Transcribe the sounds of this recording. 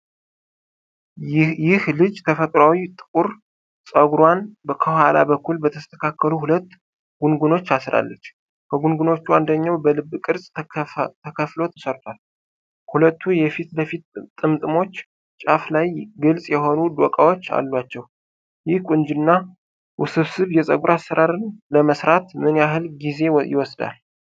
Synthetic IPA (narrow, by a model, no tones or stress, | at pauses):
jɪhlɨd͡ʒt̪ʰəfət̪ʼɾawit̪ʼɨkʼuɾ | sʼəɡɾanbəkʰəwala̰bəkʰːulbət̪ʰəst̪ʰə̥kʰakːəluhulət̪ː | ɡ̥unɡuno̞t͡ʃːasɾa̰lːət͡ʃː | kʰəɡunɡuno̞t͡ʃːuand̪əɲːawbəlɨbːkʼɨɾsʼt̪ʰəkʰəflo̞t̪ʰə̥səɾt̪ʰʼwal | hulət̪ʰːujɛfit̪ləfit̪t̪ʼːɨmt̪ʼɨmo̞t͡ʃː | t͡ʃʼaflajɡɨlsʼjɛho̞nud̪okʼawot͡ʃːa̰lːwat͡ʃːɛw | jɪhkʷʼʊnd͡ʒɨnːa | wʔʊsɨβsɨβjɛsʼə̰ɡuɾasːəɾaɾɨnləməsɾat̪mɨnjaɦɨlɡize̞jɪ̰wɔsd̪a̰l